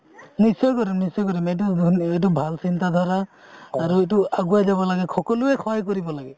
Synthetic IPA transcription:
nisɔjkɔɾimnisɔjkɔɾimɛt̬uet̬ubʱalsintad̪ʱɔɹaː | ɹuetuaɡuazaβɔlaɡɛxʰɔkɔlʊɛxʰɔjk̬oɹibɔlaɡɛ

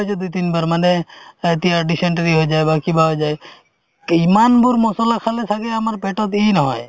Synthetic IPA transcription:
jt͡ʃʰɔd̪ujt̪inbaɾmanɛt̪iaɾɖiseɳʈəɾiɦoed͡ʒaebakibaɦojd͡ʒae | imanbuɾmɔsɔlakʰalesʰaɡeamaɾpeʈɔt̪inɔɦɔ̰je

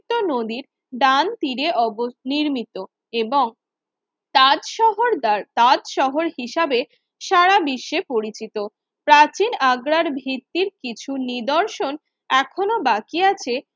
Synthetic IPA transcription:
t̪onod̪iɾ | ɖant̪iɾeʔɔboniɾmit̪o | eboŋ | aɔɦoɾat̪ad̪ʃɔɦoɾɦiʃabe | ʃaɾabiʃːepoɾit͡ɕit̪o | pɾat͡ɕinaɡɾaɾbʱit̪ːiɾkit͡ɕʰunid̪ɔɾʃon | ɛkʰonobakiat͡ɕʰe

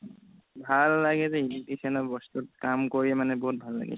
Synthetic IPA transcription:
bʱalːaɡɛzɛilitikʰɛnɔbɔst̪ut̚kamkoɹiɛmanɛboɦut̚bʱalːa̰ɡɛ̰

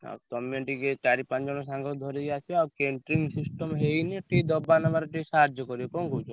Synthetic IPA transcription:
a̰wt̪ɔmeʈiket͡ʃaɾipãnd͡ʒɔɽ̃ɔsaŋɡɔd̪ʱɔɾiɡat͡ʃʰiakeɳʈɾiŋɡsisʈɔmɦejniʈid̪ɔbanabaɾʈisaɾd͡ʒɔkɔɾiɔkɔŋkot͡ʃ

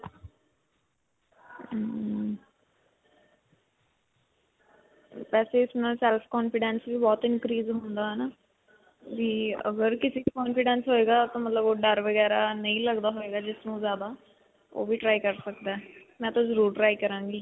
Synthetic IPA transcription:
pɛːseːɪsmnaːlsɛːlpʰkɔːnpʰɪɖɛ̃ːnsʋiːbɔːt̪ɪnkɾiːzɦõnd̪aːɦɛːnaː | ʋiːə̰ɡəɾkɪsiːikɔːnpɪɖɛ̃ːnsɦoːeːɡaːt̪õːmət̪ləboːɖəɾʋəɡɛːɾaːnəĩːləɡd̪aːɦoeːɡaːd͡ʒɪsnũːzjaːd̪aː | o̰ːʋiːʈɾaːikəɾsəkd̪aːmɛ̃ːt̪ãːzəɾuːɾʈɾaːikəɾãːŋɡiː

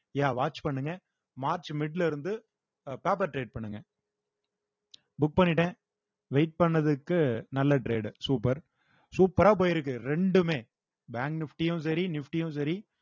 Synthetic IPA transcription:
jaːʋaːʈt͡ʃpɐɳːɯŋɡɐ | maːɾt͡ʃmɪɖlɪɾɯnd̪ɯ | paːp̬ɐɾʈɾeːɖ̚pɐɳːɯŋɡɐ | bʊk̚pɐɳːɪʈːẽː | ʋeɪʈ̚pɐɳːɐðɯkːɯnɐlːɐʈɾeːɖsuːpːɐɾ | suːpːɐɾaːp̬oːjɪɾɯk̬ːɯɾɛɳɖɯmeː | baːŋknɪfʈijʊ̃s̬ɐɾinɪfʈijʊ̃sɐɾi

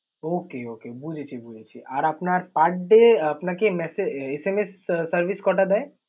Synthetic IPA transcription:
oːkeoːkebud͡ʒʱet͡ʃʰibud͡ʒet͡ʃʰḭʔaːɾəpnaɾpaʈːɖeɐpnakemɛseesemesːəɾʋiskɔ̃ʈad̪a

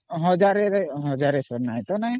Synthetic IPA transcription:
ɦɔd͡ʒaɾɛɾɛɦɔd͡ʒaɾɛsɔɾnajt̪ɔna

